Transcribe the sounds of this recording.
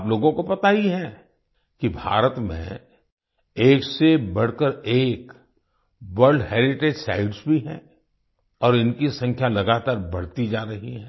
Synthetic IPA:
ploːɡõkopɐt̪aːiɦɛ | kibʱa̰ːɾət̪mḛ̃ | eːksebɐɽ̤kəɾeːk | ʋəɾɖɦɛːɾɪʈeːd͡ʒsa̰ːɪɖsbʱiɦɛ̰̃ː | ɔːɾɪnkisɐ̃ŋkʰjalɐɡaːt̪aːɾbɐɽ̤t̪id͡ʒaːɾɐɦiɦɛ̃ː

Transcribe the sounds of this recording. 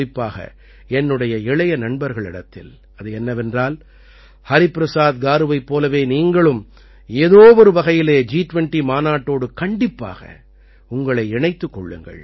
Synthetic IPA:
ɪpːaːɣɐ̰ | ɛnːɯɽɐjɐɪɭɐjɐnɐɳbɐɾɣɐɭɪɽɐt̪ːɪ̰l | ɐðɯɛnːɐʋɛndraːl | hɐɾɪpɾɐsaːd̪ɡaːɾɯʋɐɪpːoːlɐʋeːniːŋɡɐɭɯm | eːðoːʋɔɾɯʋɐɣɐjɪleːd͡ʒiːʈʋɛɳʈimaːnaːʈːoːɽɯkɐɳɖɪpːa̰ːɣɐ̰ | ʊŋɡɐɭɐɪɪɳɐɪt̪ːɯkːɔɭːɯ̰ŋɡɐ̰ɭ

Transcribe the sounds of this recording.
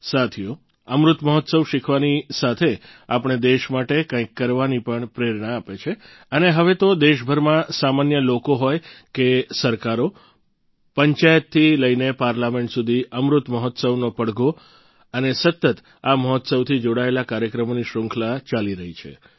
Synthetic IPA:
sat̪ʰijo | əmɾut̪məɦɔt̪səʋʃikʰʋanisat̪ʰeapɳ̃ed̪eʃmaʈekãĩkːəɾʋanipəɳpɾeɾɳaːpet͡ʃʰe | əneɦəʋet̪od̪eʃbʱəɾmãsamanjəlokoɦojkesəɾkaɾo | pəɲt͡ʃajət̪ʰːiləinepaɾlamẽɳʈsud̪ʱiəmɾut̪məɦɔt̪səʋnopəɽɡo | ənesət̪ːət̪ | aməɦɔt̪səʋt̪ʰid͡ʒoɽaelakaɾjəkɾəmoniʃɾʊ̃ŋkʰlat͡ʃaliɾəɦit͡ʃʰḛ

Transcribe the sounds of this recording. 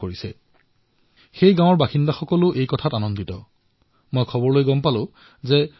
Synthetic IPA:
oɹisɛ | xejɡãw̃ɔɹbaxindaxɔkɔlʊʔejkɔtʰatanɔnditɔ | mojkʰɔbɔɹlojɡɔmpalʊ̃ | zɛ

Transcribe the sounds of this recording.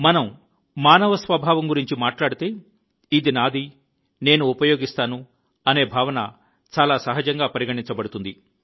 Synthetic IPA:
mɐnɐm | maːnɐʋɐsʋɐbʱaːʋɐmɡuɾiɲt͡ʃimaːʈlaːɽit̪e̞ː | id̪inaːd̪ʱi | neːnuːpɐjo̞ːɡist̪aːnu | ɐne̞ːbʱaːʋɐnɐ̰ | t͡ʃaːlaːsɐɦɐd͡ʒɐŋɡaːpɐɾiɡɐʈiɲt͡ʃɐbɐɽut̪und̪i

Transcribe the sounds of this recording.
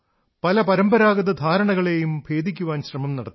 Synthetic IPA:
pɐlɐpɐɾɐmbɐɾaːɡɐðɐd̪ʱaːɾɐɳɐɣɐɭe̞jumbʱe̞ːd̪ʱikʲːuʋaːnɕrɐmɐmnɐɽɐt̪ː

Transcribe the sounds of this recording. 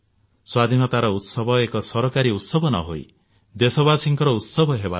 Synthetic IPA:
swad̪ʱinɔt̪aɾɔut̪sɔbʱɔekɔsɔɾɔkaɾiut̪sɔbʱɔnɔ̰ɦo̰i | d̪esɔβasiŋkɔɾɔut̪sɔbʱɔɦeba

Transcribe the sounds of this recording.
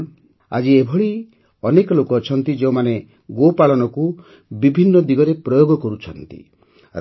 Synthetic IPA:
a̰d͡ʒiebʱɔɭi | ɔnekɔlokɔt͡ʃʰɔnt̪id͡ʒeũmane | ɡopaɭɔnɔku | bibʱinːɔd̪iɡɔɾepɾɔjoɡɔkɔɾut͡ʃʰɔnt̪ḭ

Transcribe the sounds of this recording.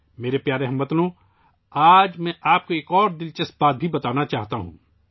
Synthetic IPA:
meːɾepjaːɾeɦɐmbɐt̪lõ | aːd͡ʒmɛ̃ʔaːp̚koeːkɔːɾd̪ɪlt͡ʃəsbaːt̪̚bʱibɐt̪aːnat͡ʃaːɦt̪aɦṵ̃ː

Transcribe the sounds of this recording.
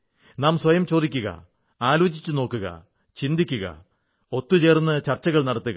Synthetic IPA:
naːmsʋɐjɐmt͡ɕo̞ːd̪ikʲːuɣɐ̰ | aːlo̞ːt͡ɕit͡ɕːuno̞ːkːuɣɐ̰ | t͡ɕind̪ikʲːuɣɐ̰ | o̞t̪ːut͡ɕe̞ːrunːɐt͡ɕɐrt͡ɕːɐɣɐɭnɐɽɐt̪ːuɣɐ

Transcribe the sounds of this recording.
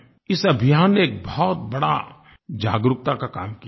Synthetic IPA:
ɪsɐbʱɪjaːnːeːk̚bɔɔt̪̚bɐɽa̰ | d͡ʒaːɡɾʊk̚t̪akakaːmki

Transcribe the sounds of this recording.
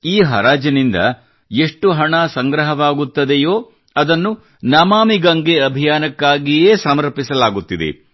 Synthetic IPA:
iːɦɐ̰ɾaːd͡ʒɐnind̪ɐ̰ | e̞ʂʈuɦɐɳɐsɐŋɡɾɐɦɐʋaːɡut̪ːɐd̪ejoː | ɐd̪ɐnːu | nɐmaːmiɡɐŋɡeɐbʱijaːnɐkːaːɡijeːsɐmɐɾpisɐlaːɡut̪ːid̪ḛ

